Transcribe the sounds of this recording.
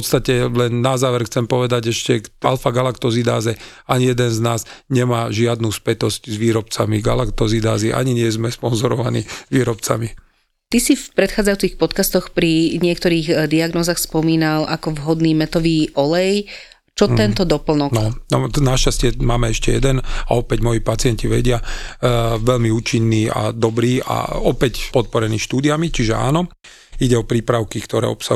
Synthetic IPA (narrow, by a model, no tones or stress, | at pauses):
ɔt̪st̪acɛlɛnːazaːʋɛɾxt͡sɛmpɔʋɛd̪aɟɛʃcɛalfaɡalakt̪ɔzid̪aːzɛ | aɲijɛd̪ɛnznaːzɲɛmaːʒɪad̪nuːspɛt̪ɔzczʋiːɾɔpt͡samiɡalakt̪ɔzid̪aːziʔa̰ɲiɲɪɛzmɛspɔnzɔɾɔʋanḭːʋiːɾɔpt͡sa̰mi | t̪isifpɾɛt̪xaːd͡zajuːt͡sixpɔt̪kast̪ɔxpɾiɲɪɛkt̪ɔɾiːɣd̪iaɡnɔːzaːxspɔmiːnalʔakɔvɦɔd̪niːmɛt̪ɔʋiːʔɔlɛj | t͡ʃɔt̪ɛnt̪ɔd̪ɔpl̩nɔknɔnɔnaʃcascɪɛmaːmɛɛʃcɛ̰jɛd̪ɛna̰ɔpɛɟmɔjipat͡sɪɛɲciʋɛɟɪa | ʋɛʎmiuːt͡ʃinːiːa̰d̪ɔbɾiːa̰ɔpɛcpɔt̪̚pɔɾɛniːʃt̪uːd̪iamit͡ʃiʒɛa̰ːnɔ | iɟɛɔpɾiːpɾaʊkikt̪ɔɾɛ̰ːɔ̰psa